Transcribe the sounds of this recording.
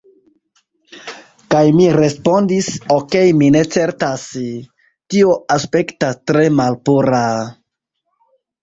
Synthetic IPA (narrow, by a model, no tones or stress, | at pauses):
kajmiɾe̞spo̞ndisoke̞jmine̞t͡se̞ɾtas | tio̞ʔaspe̞ktastɾe̞malpuɾa